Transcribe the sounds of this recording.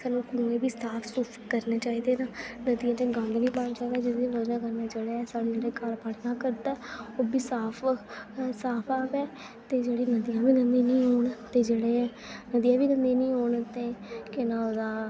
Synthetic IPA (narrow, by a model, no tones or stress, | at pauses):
sənũːkũẽːbiːsaːpʰsuːskəɾneːt͡ʃaːiːd̪eːnaːnəd̪iːãːd͡ʒẽɡãːnd̪ʋĩːbant͡ʃaːiːd̪aːd͡ʒɪd̪ĩɾoːd͡ʒnaːkəɾnaːd͡ʒeːɽeɛsaːɽeːd͡ʒeːɽeːkaɾpaɽɪjãːkəɾt̪aɛoːbiːsaːpʰ | saːpʰaːbɛː | t̪eːd͡ʒeːɽeːnəd̪ijãːbiːɡənd̪iːnĩːɦoːɳt̪eːd͡ʒeːɽe | nəd̪ijaːbiːɡənd̪iːnĩːɦoːɳt̪eːkɪnãːoːd̪aː